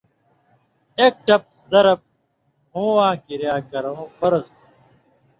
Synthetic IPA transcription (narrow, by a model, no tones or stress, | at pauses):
eːk̚ʈɐp̚zɐɾɐp̚ | hũːwãːkiɾjaːkɐɾõːfɐɾɐst̪